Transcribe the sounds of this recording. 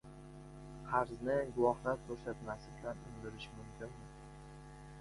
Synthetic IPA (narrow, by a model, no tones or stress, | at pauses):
qʰaɾznɪɡʊwɒhlaɾkʰɵɾsat̪masɪbɪlanʊŋd̪ɪɾɪʃɪmʊmkʲʰɪnmɪ